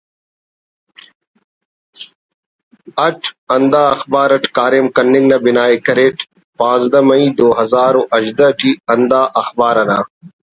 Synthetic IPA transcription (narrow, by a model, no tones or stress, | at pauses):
ɐʈʰɐnd̪aːɐxbaːɾɐʈkaːɾemkɐnːiŋɡnɐbinaːikɐɾeːʈ | pãːzd̪ɐmɐĩd̪oːɦɐzaːɾoʔɐʑd̪ɐʈiɐnd̪aːʔɐxbaːɾɐna